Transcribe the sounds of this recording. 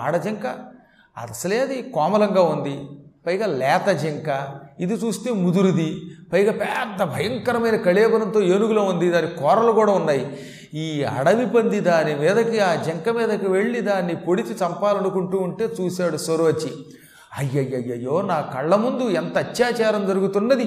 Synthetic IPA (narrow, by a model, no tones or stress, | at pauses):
a̰ːɽɐd͡ʒɐŋkɐ | ɐ̰d̪ɐsɐleːɐd̪ikɔːmɐlɐŋɡaːund̪ipɐjɡaːlɛːt̪ɐd͡ʒeŋkɐid̪it͡ʃuːst̪eːmud̪uɾud̪ipɐjɡaːpɛːd̪ːɐbʱɐjɐŋkɐɾɐmɐjnɐkɐɭɛːbɐɾɐnt̪o̞ːeːnuɡuloːund̪id̪aːnːkɔːɾɐlukuːɽaːunːaːji | iːɐ̰ɽɐʋipɐnd̪id̪aːnimiːd̪ɐkiaːd͡ʒɐŋkɐmiːd̪ɐkiʋe̞ɭːid̪aːnːipoɽit͡ʃit͡ʃɐmpaːlɐnukuɳʈuːuɳʈe̞ːt͡ʃuːsaːɽusʋɐɾuʋɐt͡ʃːi | ɐjːɐjːɐjːɐjːo̞ːnaːkɐɭːɐmund̪uɛnt̪ɐːt̪jaːt͡ʃaːɾɐmd͡ʒɐɾuɡut̪unːɐd̪i